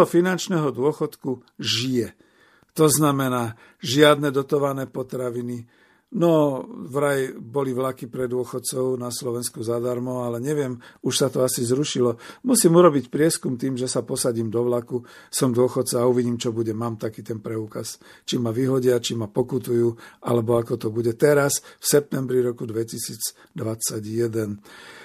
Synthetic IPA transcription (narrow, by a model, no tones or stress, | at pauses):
ɦɔfinant͡ʃnɛɦɔd̪ʊɔxɔt̪kuʒijɛ | t̪ɔznamɛnaː | ʒɪad̪nɛd̪ɔt̪ɔʋanɛːpɔt̪ɾaʋini | nɔvɾajbɔliʋlakipɾɛd̪ʊɔxɔt̪t͡sɔʊnaslɔʋɛnskuzad̪aɾmɔalɛɲɛʋɪɛmuʃsat̪ɔasizɾuʃilɔmusimuɾɔbicpɾɪɛskumt̪iːmʒɛsapɔsaɟiːmd̪ɔʋlakusɔmd̪ʊɔxɔt̪t͡saːuʋiɟiːmt͡ʃɔbuɟɛmaːmt̪akiːt̪ɛnpɾɛukast͡ʃimaʋiːɦɔɟɪat͡ʃimapɔkut̪ujuːʔa̰lɛbɔakɔt̪ɔbuɟɛt̪ɛɾasfsɛp̚t̪ɛmbɾiɾɔkud̪ʋɛcisiːd͡z | d̪ʋat͡saɟjɛd̪ɛn